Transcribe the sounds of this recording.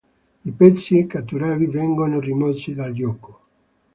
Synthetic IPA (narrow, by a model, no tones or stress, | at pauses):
ipɛt̪sːiekːat̪ːuɾɛːvivɛŋɡonorimɔsid̪ald͡ʒjɔko̥